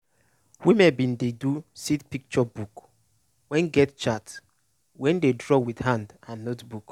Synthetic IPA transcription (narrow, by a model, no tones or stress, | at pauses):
wimɛ̃bĩndedusitpik̚t͡ʃɔbuk | wɛ̃nɡɛtt͡ʃat | wɛ̃ndedɹɔwidhãndãnːotbuk